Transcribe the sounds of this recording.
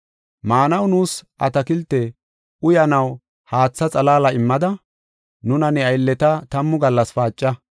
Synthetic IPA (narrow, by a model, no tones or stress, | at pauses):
maːnɐwnuːsʔɐt̪ɐkɪlt̪ːɛ | ʊjɐnɐw | haːt͡sːɐt͡sʼɐlaːlɐɪmːɐd̪ɐ | nʊnɐnɛɐjlːɛt̪ɐt̪ɐmːʊɡɐlːɐsfaːt͡ʃʼːɐ